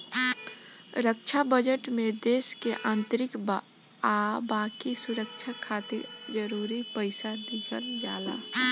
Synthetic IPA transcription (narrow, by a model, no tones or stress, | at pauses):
ɾəkt͡ʃʰabəd͡ʒəʈmed̪eːskeʔãːnt̪əɾɪkb | abaːkisuɾəkt͡ʃʰakʰaːt̪ɪɾd͡ʒəɾuɾipəɪsad̪ikʰəld͡ʒaːla̰